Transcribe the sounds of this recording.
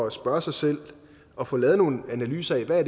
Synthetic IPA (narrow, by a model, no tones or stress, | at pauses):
ɒæsb̥ɶɐsɑ̈ɪsel̰ | ɒ̽fɔ̽ːlɛːð̞̩ˠno̝ːn̩ænælyːsɐiʋæɐ̰d̥